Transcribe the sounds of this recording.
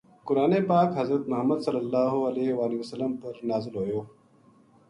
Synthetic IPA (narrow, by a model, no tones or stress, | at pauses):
kʊɾaːnepaːkɦɐzɾət̪mɐɦəmːəd̪sɐlːəlːaːɦuɐleːʋaːliʋɐsəlːəmpɐɾnaːzɪlɦoːjoː